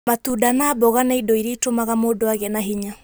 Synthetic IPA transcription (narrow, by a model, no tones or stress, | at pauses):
matudanaːbɔɣanaidɔiɾeitomaɣamodoaɣɛnaɦiɲa